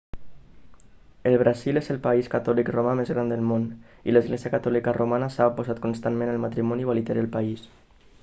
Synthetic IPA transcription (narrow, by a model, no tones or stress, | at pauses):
əlˠβ̞ɾazilezəlˠpaiskat̪ɔlikromamezɣɾand̪əlˠmon | ḭləzɣleziəkat̪ɔlikərʔomanəsapozat̪kunst̪anmẽnəlmat̪ɾimɔniβalit̪ɛɾəlpais